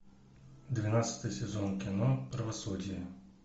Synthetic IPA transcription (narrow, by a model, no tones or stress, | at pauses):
d̪vʲɪnat̪sə̥t̪əjəsʲɪzonkʲɪnopɾəvɐsudʲɪjɪ